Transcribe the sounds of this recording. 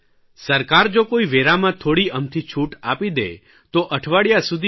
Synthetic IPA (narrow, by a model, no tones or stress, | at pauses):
səɾkaɾd͡ʒokoiʋeɾamãt̪ʰoɽiəmt̪ʰit͡ʃʰuʈapid̪ḛ | t̪oʔəʈʰʋaɽjasud̪ʱi